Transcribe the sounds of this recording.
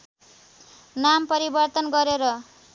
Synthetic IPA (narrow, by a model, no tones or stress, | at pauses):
nampʌɾibʌrt̪ʌnɡʌɾeɾʌ